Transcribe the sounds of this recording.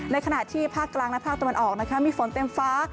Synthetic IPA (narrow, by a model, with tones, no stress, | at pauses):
na˧jkʰa˧naː˨˩t̪ʰiː˥˩pʰaː˥˩kːlaː˧ŋlɛ˦˥pʰaː˥˩k̪̚wa˧nʔɔː˨˩k̚na˦˥kʰa˦˥miː˧fo˩˦nt̪e˧mfaː˦˥